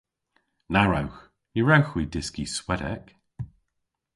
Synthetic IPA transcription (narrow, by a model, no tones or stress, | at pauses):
naɹawx | jəɹawxwidɪskiswɛdɛ̰k